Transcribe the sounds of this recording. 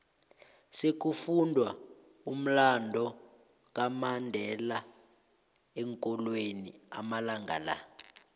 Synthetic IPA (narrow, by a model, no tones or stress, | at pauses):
sek̬ufundʱwa | um̩landʱɔ | k̬ʼamandʱɛla | ɛŋkʼɔlwenḭa̰malaŋɡʱa̰la̰